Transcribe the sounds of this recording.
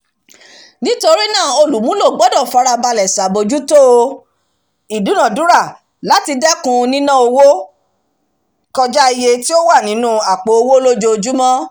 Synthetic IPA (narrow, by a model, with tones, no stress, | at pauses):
nĩ˦to˧ɾi˦nãː˦˨o˧lu˨mũ˦lo˦˨ɡ͡bɔ˨˦dɔ˦˨fa˧ɾa˧ba˧lɛ˨sa˨bo˧d͡ʒu˦to˦o˧ | i˨du˨˦nã˦˨du˨˦ɾa˦˨ | la˨˦ti˧dɛ˦kũ˧nĩ˦nã˦o˧wo˦ | kɔ˧d͡ʒa˦i˧je˧ti˦o˦wa˦˨nĩ˨˦nũ˦a˨k͡po˨o˧wo˦lo˦d͡ʒo˧o˧d͡ʒu˦mɔ̃˦